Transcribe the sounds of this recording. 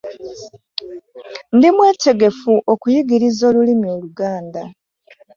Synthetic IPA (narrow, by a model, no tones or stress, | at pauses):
ndimweːte̞ɡe̞fuʔo̞kujiɡiɾizoːlulimjo̞ːluɡaːnda